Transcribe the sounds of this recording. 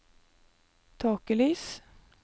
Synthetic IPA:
t̪ʰɑːkəlyːs

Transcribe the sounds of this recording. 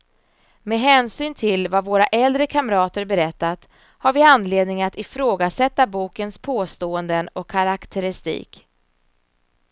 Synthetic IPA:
meːɦɛːnsyːnt̪ʰɪlvavoːɾaʔɛld̪ɾəkʰamɾɑːt̪əɾbɛɾɛt̪ːat̪ | haɾvɪand̪leːd̪nɪŋat̪ɪfɾoːɡasɛt̪ːabuːkənspʰoːst̪oːənd̪ənɔkʰːaɾakt̪ʰəɾɪst̪ḭːk

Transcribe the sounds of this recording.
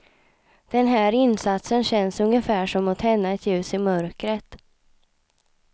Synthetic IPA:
d̪̥ɛnɦæːɾɪnːsat̪sənɕɛnsɵŋjəfæːʂɔmːʊt̪hɛnːəɛt̪ʰjʉ̟ːsɪmœɾkɾət̪

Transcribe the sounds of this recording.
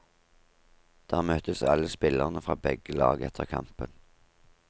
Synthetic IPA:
d̪̥æːʁmœt̪əsɑ̰ləspɪləʁnəfʁɑːbɛɡəlɑːɡɛt̪ʰəʁkʰɑ̰mpən

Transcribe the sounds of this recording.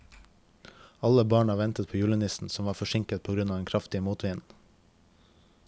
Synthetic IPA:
ɑləbɑːɳɑːʋɛnt̪ət̪pʰoːjʉːlənɪsn̩sɔmʋɑːɾfɔʃɪŋkət̪̚pʰoːɡɾʉnɑːʋd̪ɛnkʰɾɑft̪ɪəmuːt̪ʰʋiːn

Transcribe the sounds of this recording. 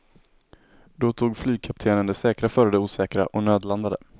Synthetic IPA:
d̪ɔt̪ʰuːɡflyːɡ̚kʰap̚t̪ʰeːnənd̪ɛsɛːkɾafœːɾəd̪ɛuːsɛːkɾa̰ʔɔnøːd̪land̪ad̪ə̰

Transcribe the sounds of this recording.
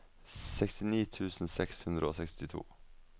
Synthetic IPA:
sɛkst̪ɪniːt̪ʰʉːsn̩sɛkshʉnd̪ɾəoːsɛkst̪ɪt̪ʰṵː

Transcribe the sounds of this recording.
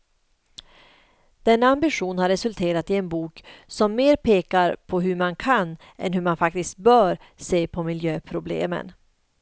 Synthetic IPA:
d̪̥ɛnːaambɪɧuːnhaɾːɛsɵlt̪ʰeːɾat̪ɪɛnbuːksɔmːeːɾpʰeːkaɾpʰɔɦɵɾmankʰanː | ʔɛ̰nɦɵɾmanfak̚t̪ɪst̪̚bœːɾ | seːpʰɔmɪljøːpʰɾʊblḛːmə̰n

